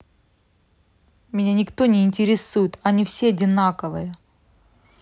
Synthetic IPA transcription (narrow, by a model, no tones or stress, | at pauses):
mʲɪnʲanʲɪkt̪o̞nʲɪːnʲtʲɪɾʲɪsujʊt̪ɐnʲifsʲeɐdʲɪnakəvɨjə